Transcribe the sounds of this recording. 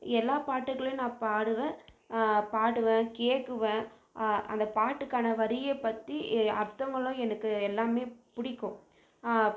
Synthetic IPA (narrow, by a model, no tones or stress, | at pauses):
ɛlːaːpaːʈːɯkɐɭj̃nãːpaːɽɯʋẽː | paːɽɯʋẽːkeːkːɯʋẽː | ɐ̰nd̪ɐpaːʈːɯkːaːnɐʋɐɾɪjepːɐt̪ːiɐɾt̪ːɐŋɡɐɭʊ̃ɛnɐkːɯɛlːaːmeːpʊɽɪkːõ